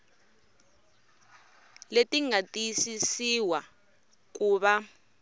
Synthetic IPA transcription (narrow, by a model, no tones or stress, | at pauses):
letiŋatisisiwa | k̬uːβa